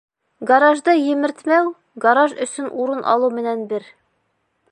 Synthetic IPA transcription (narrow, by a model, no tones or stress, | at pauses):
ɡɐɾɑʒd̪ɤjɘ̆mɘ̆ɾt̪mæw | ɡɐɾɑʒɵ̆sɵnʔuɾɤnʔɑ̰lˠumɘ̆nænbɘɾ